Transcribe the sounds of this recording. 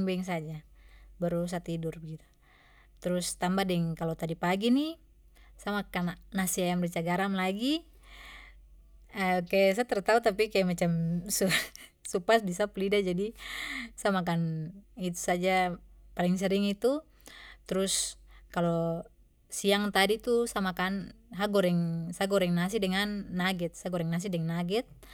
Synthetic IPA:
ŋbɛɛŋs̬ad͡ʒabaɾus̬at̪idurbəɡit̪u̥ | t̪ɾʊst̪ambahdɛŋkalot̪adipaɡini | samakannasiajamrit͡ʃaɡaɾamlaɡi | əkajas̬at̪ərt̪aut̪apikajamat͡ʃamsu | supasdisaplidad͡ʒadi | samak̬anit̪u̥sad͡ʒapaliŋs̬ɛɾiŋit̪u | t̪ɾuskalɔ | siaŋt̪adit̪usamakan | ɦaɡɔɾɛŋsaɡɔɾɛŋnas̬idɛŋanːaɡɛt̪̚saɡɔɾɛŋnas̬idɛŋanaɡɛt̪̚

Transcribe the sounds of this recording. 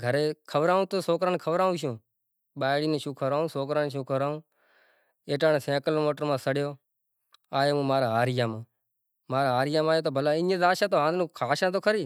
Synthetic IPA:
ɡʱəɾeːkʰəʋɾaːũːt̪oːsoːkɾaːnkʰəʋɾaːũːʃ̬ũː | ɓaːɽiːneːʃũːkʰəʋɾaːũːsoːkɾaːnʃũːkʰəʋɾaːũː | eːʈaːnːsẽːkəloːmoːʈəɾmãːsəɽjoː | aːjoːũːmaːɾaːaːɾɪjãːmãː | maːɾaːɦaːɾɪjãːmãːjoːt̪̬oːbʱəlaːɪ̃ɲẽːd̪aːʃãːt̪oːɦãːd̪nũːkʰaːʃãːt̪̬oːkʰəɾiː

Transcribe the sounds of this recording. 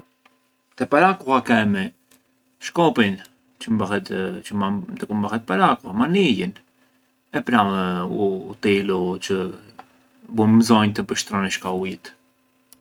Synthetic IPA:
t̪ɛpaɾakuhakɛmɛ | ʃkɔpin | t͡ʃəmɛt̪t͡ʃəd̪əkumbahɛt̪̚paɾakuhamanijən | ɛpɾauːt̪ilut͡ʃə | bumzɔɲt̪əbəʃt̪ɾɔniʃkauit̪

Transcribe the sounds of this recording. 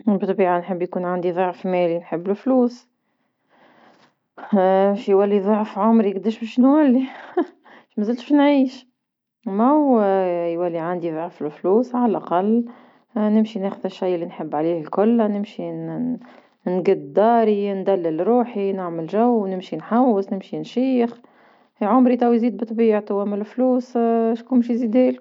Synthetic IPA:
bət̪ˤbiːʕanħəbːjkuːnʕand̪iðˤoʕfmɛːlinħəbːfluːs | ʃjwælːiðˤoʕfʕʊmɾiɡd̪æʃbɛʃnwælːi | ʃmæzəlt̪u̥ʃnʕiːʃ | mæwjwælːiʕand̪iðˤoʕflfluːsʕalʔaqɑlː | nɪmʃinæxəðəʃːajʔəlːinħəbːʕaliːhlkʊlːnɪmʃi | nɡəd̪d̪ɑːɾind̪ælːəlɾˤuːħinɪʕməlʒæwnɪmʃinħawːəsnɪmʃinʃiːx | hʕʊmɾit̪ˤɑwjziːd̪̚bɨt̪ˤbiːʕt̪ˤwæməlfluːsʃkunmʃizid̪æl

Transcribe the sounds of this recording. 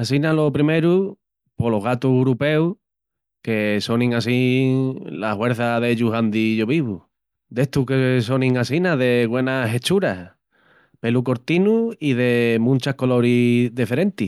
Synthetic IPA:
asinalo̞pɾime̞ɾu | po̞lo̞ɦɣat̪uɦɾupe̞u | ke̞so̞nĩŋasi | lahwe̞ɾθaðe̞ʎuɦand̪iʝo̞βiβu | d̪e̞t̪ukeso̞nĩŋasinaðe̞ɣwe̞naɦe̞t͡ʃuɾa | pe̞luko̞ɾt̪inuiðe̞mũnt͡ʃahko̞lo̞ɾiðefeɾe̞nt̪i

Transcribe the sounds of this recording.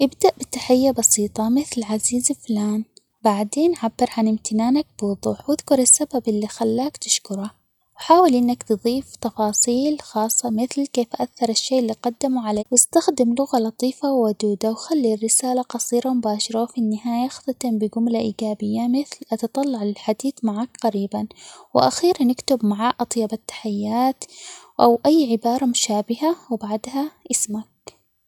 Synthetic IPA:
ʔɪbd̪aʔbɪt̪aħɪjːabɑsiːt̪ˤɑmɪθlʕaziːzɪflaːn | baʕd̪eːnʕabːɪɾʕanɪmt̪ʰɪnaːnak̚bwðˤuːħwɪðkʊɾɪsːababʔɪlːixalːaːkt̪ɪʃkʊɾˤa | wħaːwɪlʔɪnːakt̪ɨðˤiːft̪ɑfɑːsˤiːlxɑːsˤːɑmɪθlkeːfʔaθːɑɾˤɪʃːeːʔlːiqɑd̪ːamuʕalaːwɪst̪axd̪ɪmlʊɣalɑt̪ˤiːfawːad̪uːd̪awxalːirːɪsaːlaqɑsˤiːɾamʊbaːʃɑɾˤawfinːɪɦaːjaxt̪at̪ˤɪmbɪɡʊmlaʔiːɡaːbɪjːamɪθlʔɑt̪ɑt̪ˤɑlːɑʕlɪlħad̪iːθmaʕaːkqaɾiːbanwɪʔa̰xiːɾnɪkt̪ʊbmaʕaʔʔɑt̪ˤjɑbat̪ːḁħajːaːt̪ | ʔawʔajːʕɪbɑːɾˤɑmʊʃaːbɪhawbaʕd̪haʔɪsmak̚

